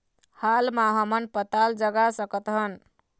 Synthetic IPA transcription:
halmaɦəmənpət̪ald͡ʒəɡasəkət̪ɦən

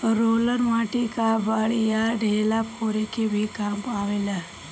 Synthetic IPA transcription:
ɾoːləɾmaːʈikabaːɭijaɖʱeːlapʰoːɾekebʱikampaːʋela

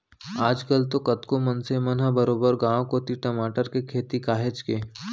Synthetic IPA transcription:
aːd͡ʒkəlt̪okɐt̪komɐnsemɐnɦabəɾoːbəɾɡãːokot̪iʈɐmaːʈəɾkekʰeːt̪ikaːɦet͡ʃkeː

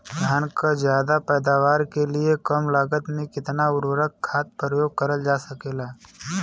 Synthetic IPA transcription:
d̪ʱjaːnkazjaːd̪apɛːd̪aːʋaːɾkeliekəmlaːɡət̪mẽkɪt̪naʊɾʋəɾəkkʰːaːt̪̚pɾəjoːɡ̚kəɾəld͡ʒaːsəkeːlaː

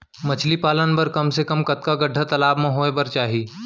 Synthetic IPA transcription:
mɐt͡ʃʰlipaːlənpɐɾkɐmsekɐmkɐt̪kaɡɐɖʱːat̪ɐlaːbmẽɦoːebɐɾt͡ʃaːɦiː

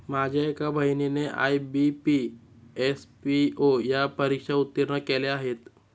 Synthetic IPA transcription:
mad͡ʑʱeekabʱəjnineʔa̰jbipi | espiojapəɾikʂaut̪ːiɾɳəkeleaɦet̪

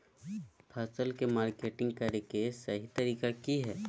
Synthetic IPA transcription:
pʰaːsəlkemaːɾkeːʈɪ̃ŋɡ̚kɐɾekesɐɦit̪ɐɾiːkakiɦɛː

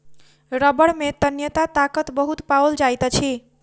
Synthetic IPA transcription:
ɾəbəɽmet̪ənjət̪at̪akət̪bəɦut̪paɔld͡ʒajt̪ət͡ʃʰi

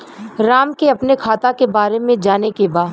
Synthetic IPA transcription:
ɾaːmkeɐpnekʰaːt̪akebaːɾemẽd͡ʒaːnekebaː

